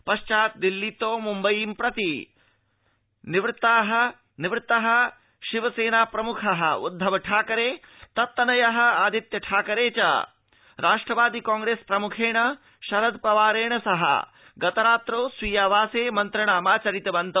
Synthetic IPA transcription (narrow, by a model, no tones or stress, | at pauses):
pɐʃt͡ʃaːt̪̚d̪ilːit̪oːmumbɐjiːmpɾɐt̪i | niʋɾɪt̪aːɦɐ̆ | niʋɾɪt̪ɐɦɐ̆ | ʃiʋɐseːnaːpɾɐmukʰɐɦɐ̰̆ud̪ʱːɐʋɐʈʰaːkɐɾeː | t̪ɐt̪ːɐnɐjɐɦɐ̆aːd̪ʱit̪jɐʈʰaːkɐɾeːt͡ʃɐ̰ | ɾaːʂʈɾɐʋaːd̪ikaːŋɡɾeːspɾɐmukʰeːɳɐ | ʃɐɾɐd̪pɐʋaːɾeːɳɐsɐɦɐ̰ | ɡɐt̪ɐɾaːt̪ɾoːsʋiːjaːʋaːseːmɐnt̪ɾɐɳaːmaːt͡ʃɐɾit̪ɐbɐnt̪ɐ